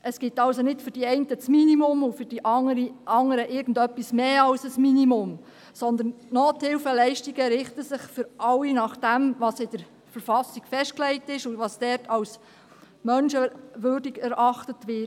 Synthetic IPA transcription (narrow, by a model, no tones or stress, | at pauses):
ʔəsɡ̥ɪtɑlsonɪtfʏɾd̥iɛɪntət͡sminimʊmʊfʏɾd̥iʔɑŋəɾiʔɑŋəɾəʔɪːɾɡən̩dœpːismeːɑwsəsminimʊm | sɔnd̪ənnɔːthɪwfəlɛɪʃtiɡəɾɪχtəsɪχfʏɾʔɑlːinɑχd̥æmʋɑsɪd̥əɾ | fəɾfɑsiɡ̥fɛʃt̚klɛɪtɪʃuʋɑsd̥ɛːɾtʰɑws | mœnʃəʋøɾdiɡɛɾʔɑχtətʋɪt